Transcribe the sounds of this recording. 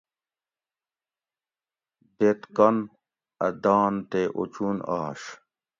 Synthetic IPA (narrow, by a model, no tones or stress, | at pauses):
d̪et̪kɐn | ɐ̰d̪aːnt̪eʔo̰t͡ɕuna̰ːɕ